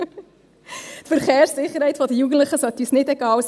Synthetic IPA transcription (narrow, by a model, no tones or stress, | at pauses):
tfəɾχeːɾsːɪχːəɾhɛɪtfɔdəjuɡən̩t̪ləχəsœt̪ːysnɪtɛɡɑːws